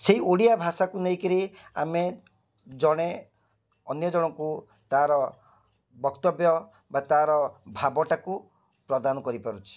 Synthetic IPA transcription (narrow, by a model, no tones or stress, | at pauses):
seioɽijabʱasakuneɦikiɾiame | d͡ʒɔɽ̃e | ɔnjɔd͡ʒɔɽ̃ɔŋku | t̪aɾɔ | bɔkt̪ɔbjɔ | bat̪aɾɔbʱabɔʈaku | pɾɔd̪anɔkɔɾipaɾut͡ʃʰi̥